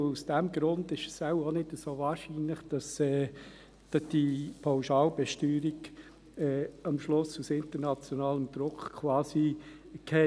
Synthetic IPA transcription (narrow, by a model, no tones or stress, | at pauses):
usd̥ɛmɡɾʊndɪʃəsaʊonɪdəsoːvaːɾʃiːnlɪχd̥ɑsɛː | d̥ɑd̥ipʰaʊʃɑːlbɛʃtyːɾiɡ | ɛːɑmʃlʊsusɪntəɾnɑt͡sjɔnaːləmd̥̪ɾʊkχkʰwɑːsi | kʰɛ